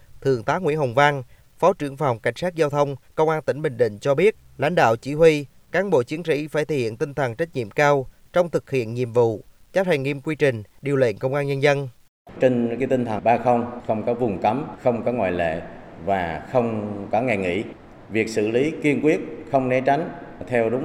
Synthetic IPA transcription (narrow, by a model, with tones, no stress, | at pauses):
t̪ʰɨ˨˩əŋt̪aː˨˦ŋwḭ˧˥ənɦə˨˩wŋ͡mva˧n | fɔ˨˦t͡ɕɨ˧˩əŋfa˨˩wŋ͡mka˧˩jŋ̟saː˦˥t̚zaː˧wt̪ʰə˧wŋ͡mkə˧wŋ͡mʔaː˧nt̪ï˧˩ŋ̟ɓï˨˩ŋ̟ɗ̪ḭ̈˧˨ŋ̟t͡ɕɔ˧ɓi˦˥ət̚la̰˧˥jŋ̟ɗa̰ː˧˨wt͡ɕi˧˩hwi˧ | kaː˨˦nɓo̰˧˨t͡ɕi˨˦ənsḭ˧˥faː˧˩jt̪ʰə˨˧˩hḭ˧˨ənt̪i˧nt̪ʰə˨˩nt͡ɕa˦˥t̚ɲḭ˧˨əmkaː˧w | t͡ɕɔ˧wŋ͡mt̪ʰɨ˨˩k̚hḭ˧˨ənɲḭ˧˨əmvṵ˧˨ | t͡ɕa˦˥p̚t̪ʰa˨˩ŋŋi˧mkwi˧t͡ɕï˨˩ŋ̟ɗi˨˩əlwḛ˧˨nkə˧wŋ͡mʔaː˧nɲə˧nzə˧n | t͡ɕe˧nka˨˦t̪ï˧nt̪ʰə˨˩ɓaː˧xə˧wŋ͡mxə˧wŋ͡mkɔ˨˦vʊ˨˩ŋ͡mkə˨˦mxə˧wŋ͡mkɔ˨˦ŋwa̰˧˨jlḛ˧˨vaː˨˩xə˧wŋ͡mkɔ˨˦ŋɛ˨˩ŋḭ˧˥ | vi˨˩ək̚sɨ̰˧˨li˨˦ki˧ənkwi˦˥ət̚xə˧wŋ͡mnɛ˨˦t͡ɕa˨˦ŋ̟t̪ʰɛ˧wɗʊ˨˦ŋ͡m